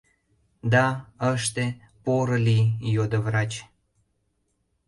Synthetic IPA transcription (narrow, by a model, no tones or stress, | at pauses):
d̪ɑəʃt̪e | poɾə̆lijod̪əβrɑt͡ɕ